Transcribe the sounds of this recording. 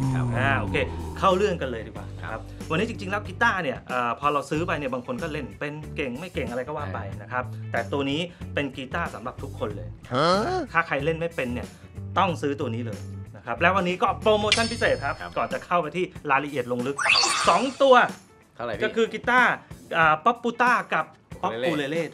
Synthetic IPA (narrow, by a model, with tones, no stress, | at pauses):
ʔaː˧˩ʔoː˧kʰeː˧kʰa˥˩wlɯ˥˩ənka˧lɤː˧jtʰiː˨˩kwa̰ː˨˩na˦kʰa˦˥p̚wa˧nːiː˦˥t͡ɕi˧ŋt͡ɕi˧ŋlɛː˦˥wkiː˧t̪aː˥˩ni˥˩ɐʔɤː˨˩pʰɔː˧ɾa˧wsɯː˦˥pa˧jni˥˩baː˧ŋkʰo˧nkɔː˥˩le˥˩npe˧nke˨˩ŋma˥˩jke˨˩ŋʔa˧ɾa˧jkɔː˥˩waː˥˩pa˧jna˦˥kʰa˦˥p̚t̪ɛː˨˩t̪u˧ɐniː˦˥pe˧nkiː˧t̪aː˥˩sa˩˦mɾa˨˩p̚t̪ʰu˦˥kʰːo˧nlɤː˧j | t̪ʰaː˥˩kʰa˧jle˥˩nma˥˩jpe˧nːi˥˩ɐ | t̪ɔ˥˩ŋsɯː˦˥t̪u˧ɐniː˦˥lɤː˧jna˦˥kʰa˦˥p̚lɛː˦˥wa˧nːiː˦˥kɔː˥˩pɾoː˧moː˧t͡ɕʰa˥˩npʰi˦˥seː˨˩t̪̚kʰa˦˥p̚kɔː˨˩nt͡ɕa˨˩kʰa˥˩wpa˧jt̪ʰiː˥˩ɾaː˧jla˧ʔi˨˩ət̪̚lo˧ŋlɯ˦˥k̚sɔː˩˦ŋt̪u˧ɐ | kɔː˥˩kʰɯː˧kiː˧˥t̪aː˥˩ʔəː˨˩pɔ˦˥pːuː˧t̪aː˥˩ka˨˩p̚pːɔ˦˥u˧leː˧leː˥˩